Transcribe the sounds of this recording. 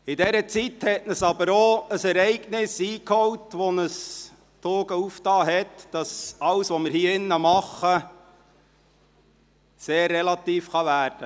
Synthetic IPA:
ɪdɛɾət͡sithɛtnəsɑbəɾoəsɛɾɛɪɡnɪsiːkhɔwtʋɔnəs | toːɡəuftɑːɦɛtd̥ɑsɑwsʋoməɾhiːəɪnːəmɑχə | seːrːɛlɑt̪iːfχɑʋæːɾd̥ə

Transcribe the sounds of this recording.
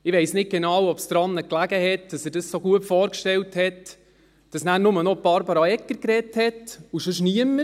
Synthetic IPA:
ɪʋeɪsnɪk̚ɡ̥enɑwɔpsd̪ɾɑnːəklæɡəhɛtd̥ɑsɛɾdəssoɡ̥uəpfoːɾkʃtɛlthɛt | d̥ɑsnæːɾnʊmənob̥ɑɾbɑɾɑɛkːəɾkɾɛthɛtuʃʊʃ̬niəmə

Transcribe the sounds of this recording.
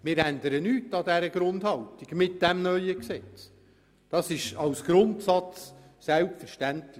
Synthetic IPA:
mɪɾændəɾənyːtːɑdɛɾəɡ̥ɾʊndhɑltiɡ̥mɪt̚d̥ɛmnœʏəksɛt͡s | d̥ɑsɪʃɑlsɡ̥ɾʊntsɑt͡ssælpfəɾʃtæntlɪ

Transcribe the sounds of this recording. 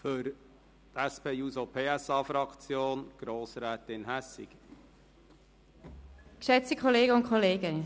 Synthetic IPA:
fʏɾ | t̪æspeːuːsopʰeːæsɑːfɾɑkt͡sjoːnɡ̥ɾoːsɾæːt̪ɪnɦæsɪ̰ɡ̥ | kʃɛt͡sikʰoleːɡəʊntkʰoleːɡ̥ə

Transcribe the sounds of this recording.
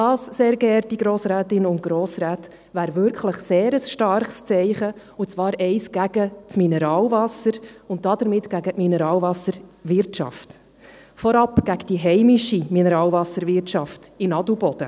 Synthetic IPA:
d̥ɑːsseːɾɡɛɾtiɡɾoːsɾæːtɪnʊntɡ̥ɾoːsɾæːt | ʋæːɾvʏɾkχləχseːɾəsʃtɑrχst͡sɛɪχə | ut͡svɑːɾɛɪsɡ̥æɡ̥ət͡sminɛɾɑːlvɑsəɾʊnt̚d̥ɑd̪əɾmɪtɡ̥æɡətminɛɾɑːlvɑsəɾvɪɾtt͡ʃɑ̰ft | fɔɾɑpɡ̥æɡd̥iɦɛɪmɪʃiminɛɾɑːlvɑsəɾvɪrtt͡ʃɑftɪnɑdl̩ubɔd̥ə

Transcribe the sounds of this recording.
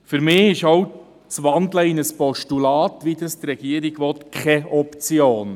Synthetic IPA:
fyɾmɪːɪʃɔw | t͡sʋɑndləɪnəspɔʃtulɑːt̪ʋid̪əst̪rɛɡ̥iːəɾiɡ̥ʋɔt̪kʰχɛɔpt͡sjoːn

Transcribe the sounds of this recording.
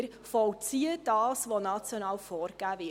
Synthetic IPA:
ɾ | fɔwt͡siəd̥ɑːsʋonɑt͡sjɔnɑːwfɔːrɡ̥æːvɪ

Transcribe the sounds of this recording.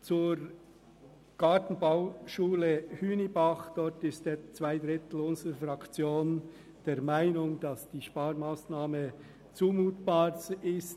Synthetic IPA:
t͡suːɾ | ɡ̥ɑːtn̩baʊʃuːləhyːnibɑχd̥ɔɾtɪsteːt͡sv̥aɪd̪ɾɪt̪l̩ʊnzəɾəfɾɑkt͡sjoːn | d̥eːɾmaɪnʊŋd̥ɑsd̥iːʃpɑːɾmaːsnaːmə | t͡suːmuːtb̥ɑːsɪst

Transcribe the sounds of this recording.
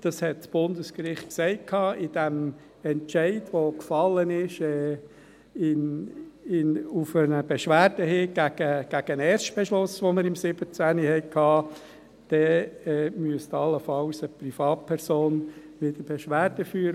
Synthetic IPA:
d̥ɑshɛt̚sb̥ʊnd̪əskɾɪχtksɛɪt̚kʰhɑːʔɪd̥æm | ɛntt͡ʃɛɪdʋokfɑlːənɪʃɛː | ɪn | ɪnufənəb̥eʃʋæːd̥əɦeːɡ̥æɡ̥əɡ̥æɡ̥ənɛːɾʃtb̥ɛʃlʊsʋoməɾɪmsɪb̥ət͡sænihɛɪkʰhɑː | d̥ɛːɛːmyəst̪ɑlːəfɑlsəprifɑːt̚pʰɛɾsoːn | ʋɪd̪əb̥eʃʋæːɾd̥əfyːɾ

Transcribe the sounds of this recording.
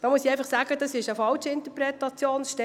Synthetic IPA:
m̥ɑmusiɛjfɑχsaːɡədɑsɪʃəfɑlt͡ʃɪntəpɾɛtɑt͡sjoːnʃtɛ

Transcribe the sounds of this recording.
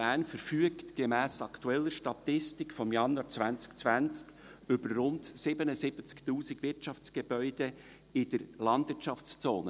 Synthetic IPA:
æːnfəɾfyəktɡ̥emæːsɑkt̪uɛlːəʃtɑtɪstɪkfɔmjɑnɑt͡svænt͡skt͡svænt͡sk | ʏbərːʊndsɪbənəzɪbət͡sktuːsɪɡvɪɾtt͡ʃɑft͡sɡ̥eb̥œʏd̥e | ɪd̥əɾlɑndvɪt͡ʃɑft͡st͡soːnə

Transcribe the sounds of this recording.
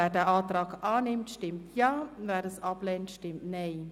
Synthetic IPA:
ɛːdɛːʔɑːtraːkʔaːnɪmtʃtɪmtʰjaːvɛːdəsɑplɛːntʃtɪmtneː

